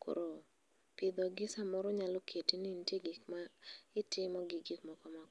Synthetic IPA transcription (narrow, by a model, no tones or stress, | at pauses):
kʰo̰ɾo | pɪd̪ɔɡɪsamɔɾɔɲalɔkʰetinintjeɡɪkmaɪtɪmɔɡɪɡɪkmɔkɔmak